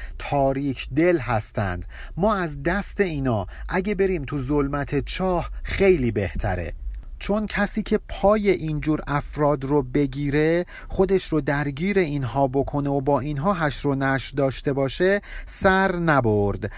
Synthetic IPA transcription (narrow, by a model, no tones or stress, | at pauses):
t̪ʰɒːɾiːcʰd̪e̞lɦæst̪ʰæ̰nd̪̥ | mɒːæzd̪æst̪e̞iːnɒːʔæɟe̞beɾiːmt̪ʰuzolmæt̪ʰe̞t͡ʃʰɒːhxe̞jliːbe̞ht̪ʰæ̰ɾḛ | t͡ʃʰo̞ncʰæsiːcʰe̞pʰɒːje̞ʔind͡ʒuːɾæfɾɒːd̪ɾobe̞ɟiːɾe̞ | χo̞d̪e̞ʃɾod̪æɾɟiːɾe̞inɦɒːbo̞kʰo̞neobɒːinɦɒːɦæʃɾonæʃɾd̪ɒːʃt̪e̞bɒːʃe̞sæɾnæboɾd̪̥